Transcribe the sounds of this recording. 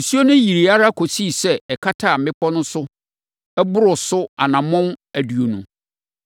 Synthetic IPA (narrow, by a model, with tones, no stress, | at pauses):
su˦o˦nʊ̃˦ji˨ɾi˨a˦ɾa˦kʰo˨si˦˨sɛ˦ɛ˨kʰa˦tʰaː˦˨m̩˦ɪ̃˦pʰɔ˦nʊ̃˦sʊ˦ | ɛ˦bʊ˦ɾʊ˨sʊ˦a̰˨nã˨mʊ̃˦næ˨du˨o˨nṵ̃˨